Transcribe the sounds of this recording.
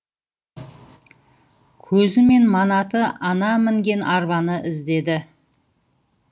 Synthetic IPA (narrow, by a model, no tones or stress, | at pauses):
kʲʰɵzɪme̞nmɑnɑt̪əʔɑnɑmɪŋɡʲe̞nʔɑɾbɑnəʔɪzd̪e̞d̪ɪ